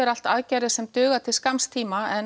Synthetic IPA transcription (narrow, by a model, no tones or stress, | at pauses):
ɪɾal̥t̪aðcajɾɪ̥sɛmt̪ʏːɣat̪ʰɪlskamst̪ʰiːmaɛn